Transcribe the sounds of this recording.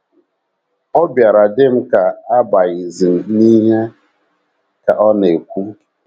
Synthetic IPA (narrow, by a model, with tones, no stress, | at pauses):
ɔ˦bja˨ɾa˨dɪ˦m̩˦ka˨a˦ba˨ɣɪ˨zi˨m̩˨ni˦ɦe˦ | ka̰˨ʔɔ˦ne˨kʷu˦